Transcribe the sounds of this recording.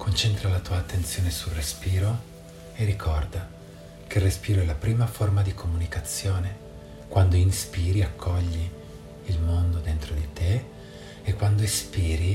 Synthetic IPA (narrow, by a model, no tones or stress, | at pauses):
kʰont͡ʃɛnt̪ɾalat̪uːaːt̪ːent̪sjoːnesulrespiːɾo | erikʰɔrd̪a | kʰeilrespiːɾoɛlapɾiːmaformad̪ikʰomunikat̪sːjoːne | kwand̪oinspiːɾiakʰːɔʎːiː | lmond̪od̪ent̪ɾod̪it̪e | ekːwand̪oispiːɾi